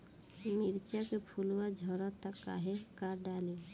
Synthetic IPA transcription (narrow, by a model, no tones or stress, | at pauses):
miɾt͡ʃakepʰuluwad͡ʒʱɔɾɔt̪akːa̰ɦekaɾɖale